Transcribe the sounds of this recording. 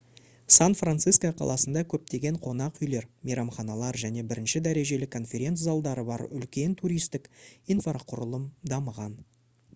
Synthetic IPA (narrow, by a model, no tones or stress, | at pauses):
sanfrant̪sɨskoqʰɑ̰lˠɑsənd̪ɑkʲʰɵp̚t̪e̞ɡʲe̞ɴqʰo̞nɑqʏjle̞ɾmijɾɑmχɑnɑlˠɑɾʒæne̞bɪɾʔɪnʃɪd̪æɾe̞ʒe̞lɪkʰːo̞nfʲe̞ɾʲe̞nt̪zɑlˠd̪ɑɾəbɑ̰ɾʏ̰lkʲe̞nt̪ʰuɾʲijst̪ɪkinfɑɾqʰʊɾəlˠəmd̪ɑməʁɑn